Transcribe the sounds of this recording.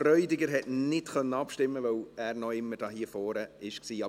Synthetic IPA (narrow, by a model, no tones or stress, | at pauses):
rœʏdɪɡəɾɦɛtnɪtkœnːəɑpʃtɪmːəvœwæːɾnɔɪmːəd̥ɑːhiːəfɔːɾəɪʃksiːɑ